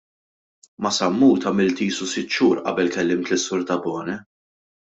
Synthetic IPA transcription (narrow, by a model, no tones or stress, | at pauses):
mɐsɐmːuːt̪ɐmɪlt̪iːsusɪt̪ːʃuːɾʔɐ̰bɛlkɛlːɪmt̪lɪsːʊɾt̪ɐbɔːnɛ